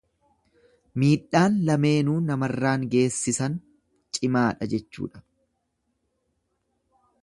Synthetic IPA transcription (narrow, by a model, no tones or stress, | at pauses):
miːᶑaːnlɐme̞ːnuːnɐmɐrːaːŋɡe̞ːsːɪsɐn | t͡ʃʼɪmaːᶑɐd͡ʒɛt͡ʃːṵːᶑɐ̥